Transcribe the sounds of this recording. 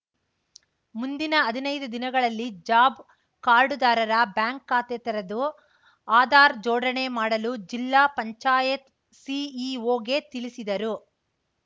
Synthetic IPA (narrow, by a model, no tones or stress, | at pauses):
mund̪inɐːd̪inɐjd̪ud̪inɐɡɐɭɐlːid͡ʒaːb | kaːɾɖud̪aːɾɐɾɐbjaːŋkːaːt̪et̪ɐɾɐd̪u | aːd̪aːɾd͡ʒɔːɽɐɳe̞maːɽɐlud͡ʒilːaːpɐɲt͡ʃaːjɐt̪ | siiʋoːɡe̞t̪iɭisid̪ɐɾu